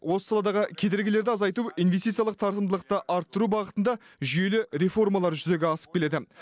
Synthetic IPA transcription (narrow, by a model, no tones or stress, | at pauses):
wʔo̞səsɑlˠɑd̪ɑʁəkʲʰe̞d̪ɪɾɡʲɪle̞ɾd̪ɪɑzɑjt̪uijnvesit̪sijɑlˠəq̚t̪ʰɑɾt̪əmd̪əlˠəq̚t̪əʔɑɾt̪ːəɾubɑʁət̪ənd̪ɑ | ʒʏje̞lɪɾe̞fo̞rmɑlˠɑɾʒʏze̞ɡʲɪɑsə̥p̚kʲe̞le̞d̪ɪ